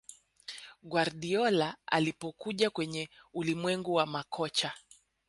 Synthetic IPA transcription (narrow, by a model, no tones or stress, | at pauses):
ɡwaɾɗiɔlaa̰lipɔkuʄakwɛɲɛulimwɛŋɡuwamakʰɔt͡ʃa